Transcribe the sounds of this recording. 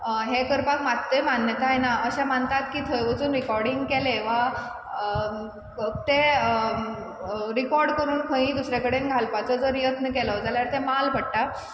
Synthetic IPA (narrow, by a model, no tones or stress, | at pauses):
ɦekəɾpakmat̪ːəmanjət̪aenaəɕam̤ənt̪at̪kiːt̪ʰəjʋət͡suːnɾikɔɾɽiŋɡkɛleʋa | t̪e | ɾikɔɾɽkəɾuːnkʰə̃ĩd̪usɾakəɽenɡʱalpat͡sɔd͡zɔɾijət̪nəkɛlɔd͡zaljaɾt̪emalpəɽ̚ʈa